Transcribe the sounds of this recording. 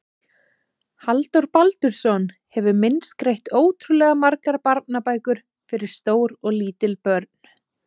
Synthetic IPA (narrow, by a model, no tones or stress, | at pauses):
halt̪ɔwɾpalt̪ʏɾ̥sɔn | hɛvʏmɪnskɾejht̪oːwt̪ʰɾulɛːɣamaɾkaɾpaɾt̪̚napaːjkʏɾ̥ | fɪɾɪ̥st̪oːwɾɔɣliːt̪ɪlpœɾt̪̚n̥